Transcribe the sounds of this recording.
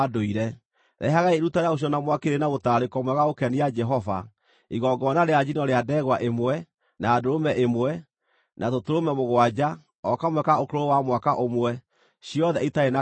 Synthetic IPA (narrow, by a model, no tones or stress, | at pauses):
doiɾɛ | ɾʔɛ̰ɦaɣaiɾutaɾeaoɕ̬jɔnamwakeɾenaɣotaːɾekɔmwɛɣaokɛniad͡ʒɛɦɔva̰ | iɣɔɡɔnaɾead͡ʑinɔɾeadɛɣwaʔemwɛ | naːdoɾomɛʔemwɛ | nʔatotoɾomɛmoɣwad͡ʑa | ɔkamwɛkaokoɾoowamwakaʔomwɛ | ɕijɔðɛitaena